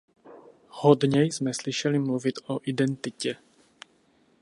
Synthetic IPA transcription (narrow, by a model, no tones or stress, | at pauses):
hodɲɛjzmɛslɪʃɛlɪmluvɪt̪oʔidɛnt̪ɪcɛ